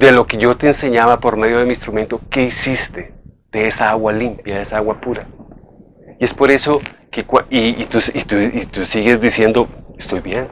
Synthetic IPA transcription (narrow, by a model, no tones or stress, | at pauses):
d̪e̞lo̞ke̞ʝo̞t̪e̞ːnse̞ɲaβapo̞ɾme̞ðjo̞ð̞eminst̪ɾument̪o̞ke̞isist̪ed̪̥eesaaɣwalimpjaðeesaaɣwapuɾa | ie̞spo̞ɾe̞so̞kekwaiːt̪usit̪uit̪usiɣezd̪isje̞nd̪oest̪o̞jβje̞n